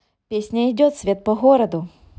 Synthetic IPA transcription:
pʲesʲnʲɐidʲɔt̪sʲʋʲɛt̪̚pɔɦɔɾɐd̪ʊ

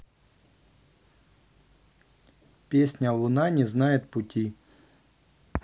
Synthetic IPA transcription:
pʲesʲnʲɐlˠʊnɑnʲiznɑjet̪pʊtʲi

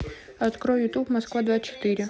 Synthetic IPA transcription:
ɐt̪kɾɔjʊt̪ubmɐskʋad̪ʋat͡ʃɔ̥t̪ɪɾʲɪ

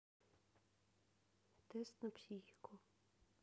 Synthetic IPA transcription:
t̪ɛst̪nɔpsʲixikʰo

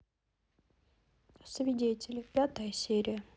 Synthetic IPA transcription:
svʲɪdʲetʲɪlʲɪpʲat̪əjəsʲeɾʲɪjə

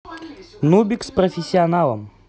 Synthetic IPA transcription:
nubʲiksprɐfʲɪsʲːiɐnalˠə̰m

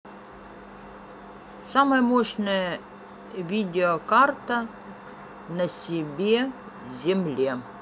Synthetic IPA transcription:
saməjəmoʂnəjə | vʲidʲɪɔkart̪ɐ | nɐsʲɪbʲe | zʲɪmlʲe

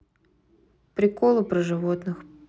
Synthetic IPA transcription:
pɾʲɪkolˠɨpɾəʐɨvot̪nɨx

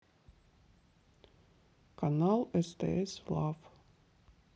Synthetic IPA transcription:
kʰɑnɑːlˠɛst̪ḛɛslɑf

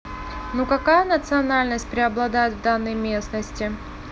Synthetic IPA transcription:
nukɐkajənət̪sɨɐnalʲnəsʲt̚ʲpɾʲɪɐblˠɐd̪ajɪt̪vd̪anːəjmʲe̞snəsʲtʲɪ

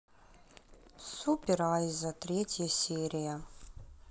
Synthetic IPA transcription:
supʲɪɾajzɐt̪ɾʲetʲjɐsʲeɾʲɪja

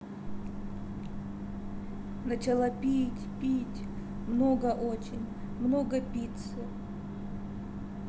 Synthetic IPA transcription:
nɐt͡ɕɪlˠapʲitʲpʲitʲ | mnoɡəʔot͡ɕɪnʲ | mnoɡəpʲit̪sə

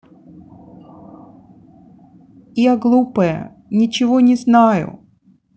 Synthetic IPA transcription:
jaɡlˠupəjə̰ | nʲɪt͡ɕɪvonʲɪznajʊ̰

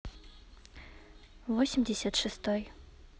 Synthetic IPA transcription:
vosʲɪmʲdʲɪsʲat̪ʂɨst̪oj

